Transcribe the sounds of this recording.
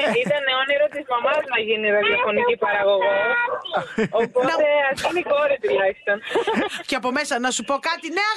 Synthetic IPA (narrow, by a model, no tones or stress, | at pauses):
it̪ɐnːeoniɾot̪izmɐmɐznɐʝiniðɐðiofo̞nicipɐɾɐɣo̞ɣos | oponɐt̪e̞ɐfinikoɾit̪ulɐçi̥st̪o̞nceɐpo̞me̞sɐnɐsupo̞kɐt̪ineɐ